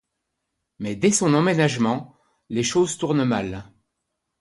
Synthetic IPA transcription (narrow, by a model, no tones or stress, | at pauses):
mɛd̪ɛsɔ̃nɑ̃menaʒmɑ̃ | leʃozt̪uʁnmal